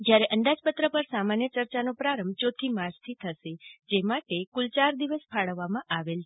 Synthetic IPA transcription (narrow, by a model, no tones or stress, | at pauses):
d͡ʒjaɾeʔənd̪ad͡ʒpət̪ɾəpəɾsamanjət͡ʃəɾt͡ʃanopɾaɾəmbt͡ʃot̪ʰimad͡ʒt̪ʰit̪ʰəʃed͡ʒemaʈekult͡ʃaɾd̪iʋəspʰaɭəʋːamãʔaʋelt͡ʃʰe